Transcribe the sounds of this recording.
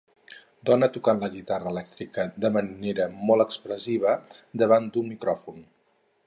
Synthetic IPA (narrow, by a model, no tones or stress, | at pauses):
d̪ɔnət̪ukanləɣit̪arəlɛk̚t̪ɾikəd̪əməneɾəmɔlˠəkspɾəziβ̞əd̪əβ̞and̪unmikɾɔfun